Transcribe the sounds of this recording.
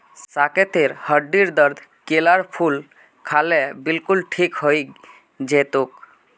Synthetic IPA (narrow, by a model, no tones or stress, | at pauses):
ssaket̪eɾhəɖiɾd̪əɾd̪ʱkelaɾpʰul | kʰalebilkulʈʰikɦoj | d͡ʒet̪ok